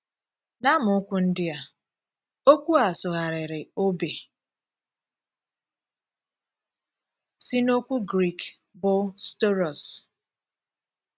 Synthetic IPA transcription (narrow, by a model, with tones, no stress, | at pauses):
na˦mʊ˨ʊ˦kʷu˦n̩˦dɪ˦a˨ | o˦kʷu˦a˨sʊ˨ɦa˨ɾɪ˨ɾɪ˨o˦be˨ | si˦no˦kʷu˦ɡɾi˨k | bʊ˦sto˦ɾɔ˨s